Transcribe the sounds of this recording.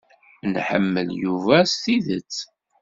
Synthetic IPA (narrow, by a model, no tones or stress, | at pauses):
nħə̰mːəljuvæsθiðət͡sː